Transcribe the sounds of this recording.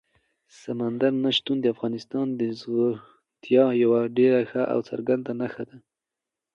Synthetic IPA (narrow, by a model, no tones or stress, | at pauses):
samand̪aɾnaʃt̪und̪əafɣɑnɪst̪ɑnd̪əzo | t̪jɑjawaɖeɾaxaʔa̰wt͡sa̰ɾɡand̪anaxad̪a